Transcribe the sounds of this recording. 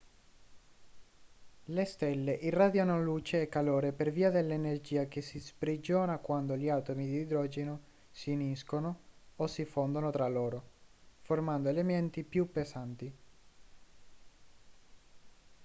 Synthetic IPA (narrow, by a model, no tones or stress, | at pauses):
lest̪ɛlːeʔiraːd̪janoluːt͡ʃeɛkːaloːɾeperviːad̪elːenerd͡ʒiːak̟esispɾid͡ʒoːnakwand̪oʎiat̪omid̪iːd̪ɾɔːd͡ʒeno | siniskonoosifond̪onot̪ɾalːoːɾoformand̪oelement̪ipjupːesant̪i